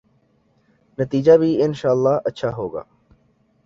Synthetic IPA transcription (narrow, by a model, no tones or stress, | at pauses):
nət̪iːd͡ʒabʱiɪnʃaːəlːaːətːʃʰaɦoːɡa̰ː